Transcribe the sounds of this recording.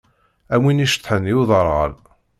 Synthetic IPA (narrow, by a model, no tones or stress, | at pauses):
æwiniʃt̪ːˤħənːiwðˤəɾˤə̰l